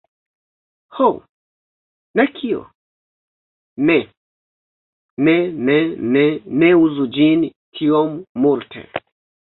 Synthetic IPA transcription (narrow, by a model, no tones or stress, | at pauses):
how | nakʰiɔ̰ | mɛ | mɛmɛmɛmɛuzud͡ʒini | kʰiɔmumuɾtʰɛ̰